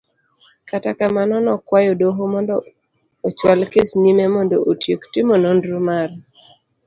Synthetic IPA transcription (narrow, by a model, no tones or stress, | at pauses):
katakamanɔnɔkwajodoɦomɔndɔ | ot͡ʃwalkesnimemɔndoʔotjoktɪmonondɾumar